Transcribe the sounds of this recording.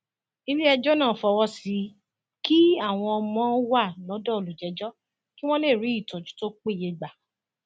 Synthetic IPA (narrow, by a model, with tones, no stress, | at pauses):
i˧li˦ɛ˧d͡ʒɔ˦nãː˦˨fɔ˧wɔ˦si˨˦ | ki˦a˦˨w̃ɔ̃˧ɔ˧mɔ̃˨˦wa˦˨lɔ˨˦dɔ˦˨o˨lu˨d͡ʒɛ˨˧d͡ʒɔ˦ | ki˦w̃ɔ̃˦le˦˨ɾi˨˦i˦˨tɔ̃˨d͡ʒu̥˨˦to˦k͡pe˦˨je˧ɡ͡ba˨